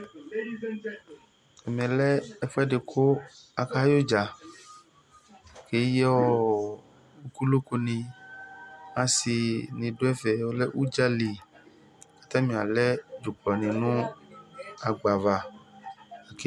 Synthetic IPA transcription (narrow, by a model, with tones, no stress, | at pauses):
ɛ˨mɛ̃˨lɛ˦ɛ˦fɛ˦ɖe˨kʰo˦a˨ka˦jo˦d͡ʒa˨ | ke˨˦jɔ˦ | u˦ku˦lo˦ko˦nĩ˨ | ã˨si˨nĩ˨ɖo˦ɛ˦vɛ˨wo˦lɛ˦ʔu˦d͡ʒa˦li˨ | ka˨t̪ã˦mĩ˨a˨lɛ˦d͡ʒo˨k͡plɔ˨nĩ˨nʊ̃˦ | a˨ɡ͡ba˨va˨ | a˨ke˦